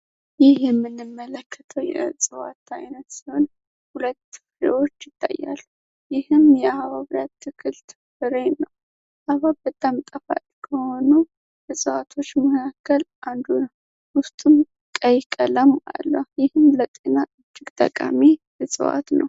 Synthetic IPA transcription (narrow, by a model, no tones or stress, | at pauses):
jɪhjɛmːɨnːɨmːələkʰːət̪ʰəwjɛ̰sʼɨwa̰t̪ʰajnət̪siho̞n | hulət̪ːɨfɨɾḛwo̞t͡ʃːjɪt̪ʰːa̰jːa̰lːu | jɪhɨmjɛahaβaβɾijat̪ʰːɨkʰɨlt̪ʰɨ | ɨɾenəw | ʔaβabət̪ʼːamt̪ʼəfa̰lʼkʰəho̞nu | bɨsʼɨwat̪ʰo̞t͡ʃːməkkʰakʰːəlʔand̪unəw | wʊst̪ʼum | kʼəjkʼələmʔa̰lːəjɪhɨmlət̪ʼenaʔɨd͡ʒːɪɡt̪ʼə̰kʼa̰mi | əsʼɨ̰wa̰t̪nə̰w